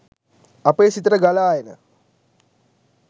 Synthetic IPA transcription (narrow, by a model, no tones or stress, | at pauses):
apeːsit̪əʈəɡalaːjenə̰